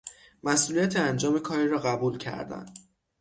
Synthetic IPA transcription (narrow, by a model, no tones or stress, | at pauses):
mæsʔuːlijæt̪ʰeænd͡ʒɒːme̞kʰɒːɾiɾɒːɣæbuːlcʰæ̰ɾd̪æ̰n